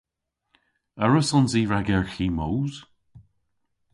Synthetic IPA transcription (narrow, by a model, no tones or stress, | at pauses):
ɛɹəsɔnziːɹaɡɛɹxiːmowz̥